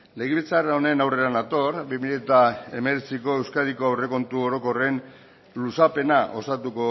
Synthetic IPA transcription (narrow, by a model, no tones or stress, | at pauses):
le̞ɣ̞iβit͡saraone̞nawre̞anat̪o̞ɾbimiʎie̞t̪ae̞me̞ɾet͡siko̞e̞wskað̞iko̞awre̞ko̞nt̪uo̞ɾo̞ko̞re̞n | lusape̞naʔo̞sat̪uko̞